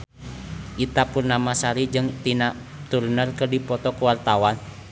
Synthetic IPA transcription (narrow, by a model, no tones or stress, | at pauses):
ʔit̪apurnamasaɾid͡ʒɨŋt̪inat̪urnərkərdipɔt̪ɔkuwart̪awan